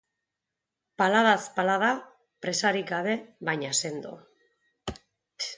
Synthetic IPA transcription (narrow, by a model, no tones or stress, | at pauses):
palaðaspalaða | pɾe̞saɾikaβe̞βajɲase̞nd̪o̰